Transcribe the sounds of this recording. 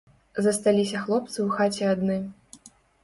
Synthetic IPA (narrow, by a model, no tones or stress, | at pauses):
zɐst̪alʲisʲɐxlˠɔp̚t̪sɨwxat͡sʲɛad̪nɨ